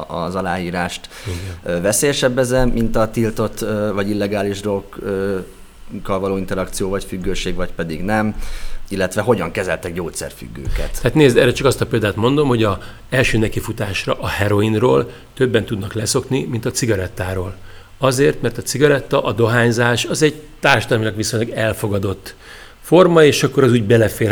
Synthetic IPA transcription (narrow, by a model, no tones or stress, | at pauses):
ɒ̰zɒlaːjiːɾaːʃt̪ivɛseːjɛʃɛbːɛzɛmʔint̪ɒt̪ilt̪o̞t̪ːvɒɟilːɛɡaːliʒd̪okøː | kːɒlvɒloːint̪ɛɾɒkt̪sijoːvɒcfyɡːøːʃeːɡvɒcpɛd̪iɡnɛmilːɛt̪ʋɛɦo̞ɟɒŋkɛzɛlt̪ɛɡ̚ɟoːt̪sɛ̰rfy̰ɡːø̰ːkɛ̰t̪aːt̪neːzd̪ɛrɛt͡ʃɒkɒst̪ɒpeld̪aːt̪mo̞nd̪o̞mho̞ɟɒ | ɛlʃøːnɛkifut̪aːʃrɒʔɒhɛɾo̞inroːl | t̪ø̞bːɛnt̪ud̪nɒklɛso̞knimint̪ɒt̪siɡɒɾɛt̪ːaːɾoːl | ɒzeːrt̪mɛrt̪ɒt̪siɡɒɾɛt̪ːɒʔɒd̪o̞ɦaːɲzaːʃɒzɛɟt̪aːrʃɒd̪ɒlmilɒɡʋiso̞ɲlɒɡɛlfo̞ɡɒd̪o̞t̪ː | fo̞rmɒeːʃɒkːoɾɒzuːɟbɛlɛfeː